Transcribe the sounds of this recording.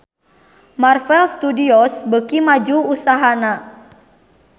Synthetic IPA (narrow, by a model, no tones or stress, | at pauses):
marfɛlst̪udiɔsbəkimad͡ʒuusaɦana